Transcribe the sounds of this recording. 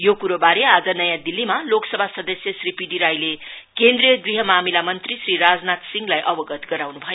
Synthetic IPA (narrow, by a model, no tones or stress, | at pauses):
jokuɾobaɾead͡zʌnʌjãd̪ilːimaloksʌbʱasʌd̪ʌsjʌsripiɖiɾajle | kend̪rijʌɡriɦʌmamilamʌnt̪risriɾad͡znat̪siŋɡlajʔʌbʌɡʌt̪ɡʌɾawnubʱʌjo